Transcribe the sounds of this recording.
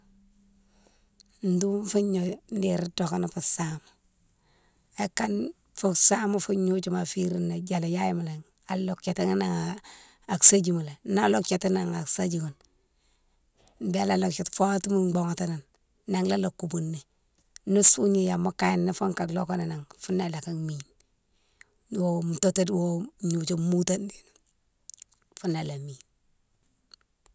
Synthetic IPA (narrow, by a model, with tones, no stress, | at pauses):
n̩˨du˦m˦fu˦ɲo˨n˦de˨ɾi˦to˨ka˦na˦fu˨samu˨ | e˦kːa˦n | fo˨ksa˦mu˦fu˦ɲu˦t͡ʃuma˨fi˦ɾi˦nːa˨d͡ʒa˨la˨ja˦ji˦ma˨le˨ŋ | a˨lo˨kt͡ʃe˨ta˦ŋi˦na˨ŋa | a˨ksa˦d͡ʒi˨mu˨le˨na˦lo˦kt͡ʃe˨ti˦na˨ŋa˨ksa˦d͡ʒi˨ɡo˨n | n˨bi˦a˦la˦˨lo˨kt͡ʃe˨tfo˦ti˦mu˦ɡ͡bo˨ŋa˨ta˦na˨nː | a˨ŋla˦lo˨kːu˨bu˨nːe˨ | nu˦su˦ɲi˨ja˨ma˦ka˦˨ji˨nːi˦fo˦ŋka˨lo˦ko˦na˨na˨ŋfu˦nːa˦˨la˨ka˦mi˨n | wo˨mu˨to˦ta˦dwo˦ɲu˨t͡ʃo˦mu˦ta˦ndi˨n˨ | fu˦na˨la˨mi˨n